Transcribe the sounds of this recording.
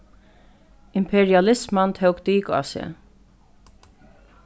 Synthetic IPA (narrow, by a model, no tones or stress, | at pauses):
ɪmpʰɛɹialɪsmant̪ʰœwkt̪iːka̰sɛ̰